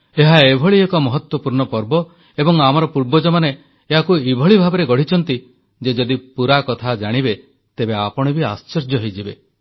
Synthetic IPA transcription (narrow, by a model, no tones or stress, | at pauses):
eɦaebʱɔɭiekɔmɔɦɔt̪wɔpuɾɳɔpɔɾbɔ | ebɔŋamɔɾɔpuɾbɔd͡ʒɔmaneː | ɦakuibʱɔɭibʱabeɾeɡɔɽ̤it͡ʃʰɔnt̪i | d͡ʒed͡ʒɔd̪ipuɾakɔt̪ʰad͡ʒaɽ̃ibe | t̪ebeapɔɽ̃ɔbiast͡ʃɔɾd͡ʒɔɦejd͡ʒibe